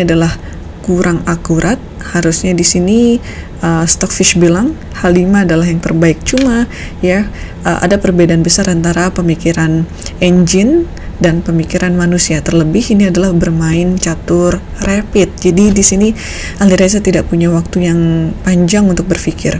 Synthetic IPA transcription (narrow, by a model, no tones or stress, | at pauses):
niadalah | kuɾaŋakuɾʔat̪̚ | haɾusɲadisini | ʔəst̪ɔk̚fiʃbilaŋ | halimaːdalaɦjaŋt̪ərbaɪk̚t͡ʃuma | ja | ʔəʔa̰dapərbedaːnbəsaɾant̪aɾapəmikiɾan | eɲd͡ʒɪn | danpəmikiɾanmanusiat̪ərləbɪhiniadalahbərmaɪnt͡ʃat̪ʊr | rapɪt̪̚d͡ʒadidisini | ʔaliɾasat̪idaʔpuɲawak̚t̪ujaŋpaɲd͡ʒaŋunt̪ʊk̚bərfikɪr